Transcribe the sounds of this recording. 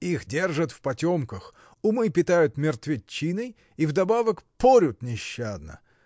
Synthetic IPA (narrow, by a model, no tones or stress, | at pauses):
ixdʲe̞rʐət̪fpɐtʲomkəx | ʊmɨpʲɪt̪ajʊt̪mʲɪrt̪vʲɪt͡ɕːinɨj | ivd̪ɐbavəkpoɾʲʊt̪nʲɪɕːad̪nə̰